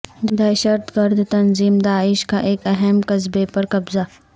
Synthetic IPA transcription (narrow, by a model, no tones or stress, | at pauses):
d̪d̪ɐʃɐɾt̪ɡɐɾd̪ʱt̪ɐnziːmd̪aːɪʃkaʔeːkɐɦɛmkɐzbepɐɾkɐbza